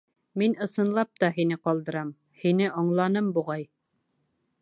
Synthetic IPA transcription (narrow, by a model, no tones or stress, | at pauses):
minɤ̆sɤ̆nlˠɑp̚t̪ɑɦinɘqɒlˠd̪ɤ̆ɾɑm | hinɘʔɑɴlˠɑnɤmbuʁɑj